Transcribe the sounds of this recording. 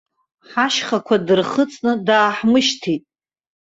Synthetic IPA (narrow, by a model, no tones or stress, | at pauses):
ħaʃχakʷʰadɨrχət͡sʼnɨdaːħmɨʃtʰitʼ